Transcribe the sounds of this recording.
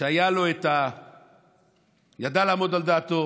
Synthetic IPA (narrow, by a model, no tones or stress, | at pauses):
eajalo̞et̪a | jad̪alaːmo̞d̪ald̪aːt̪o